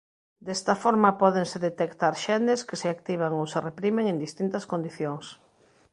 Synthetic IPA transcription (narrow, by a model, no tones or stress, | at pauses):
d̪ɛst̪ɐfɔɾmɐpɔðeŋseðet̪ekt̪aɾʃɛnɪskɪsɪak̚t̪iβ̞aŋowserepɾimeŋẽnd̪ist̪int̪ɐskond̪iθjoŋs